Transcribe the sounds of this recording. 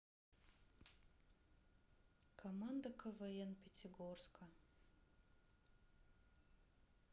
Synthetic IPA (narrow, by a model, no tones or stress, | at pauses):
kʰɐmand̪ɐkʰɐvɛɛnpʰʲetʲʰɪɡorskʰɐ